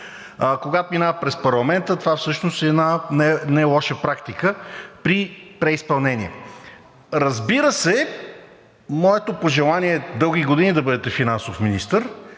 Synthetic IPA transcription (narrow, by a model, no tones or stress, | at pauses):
koɡat̪ominapɾɛspɐɾlˠɐmɛnt̪ət̪ovafsɤʃnost̪ɛːnanɛnajlˠɔʃəpɾakt̪ikəpɾipɾɛispɐlˠnɛnʲiɛ | ɾɐzbiɾəsɛ | mɔɛt̪opoʒɛlˠanʲiɛd̪ɤlˠɡ̟iɡod̪inʲid̪ɐbɤd̪ɛt̪ɛfinansofminist̪əɾ